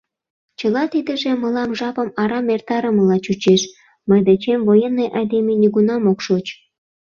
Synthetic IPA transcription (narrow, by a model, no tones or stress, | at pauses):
t͡ɕəlɑt̪id̪ə̆ʒĕməlɑmʒɑpə̆mɑɾɑmert̪ɑɾəməlɑt͡ɕut͡ɕeʃ | məjd̪et͡ɕemvojenːejʔɑjd̪eminʲiɣunɑmokʃot͡ɕ